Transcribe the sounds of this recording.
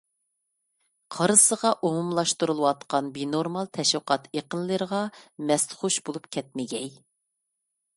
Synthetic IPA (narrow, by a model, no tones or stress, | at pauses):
qʰɑɾɨsəʁɑʔumumlˠɑʃt̪uɾulˠəwɑt̪qɑnbinoɾmɑlˠt̪ʰɛʃwəqɑt̪ʰeqənlˠəɾəʁɑmɛst̪χuʃbolˠupkʲʰɛt̪̚mɪɡʲɛj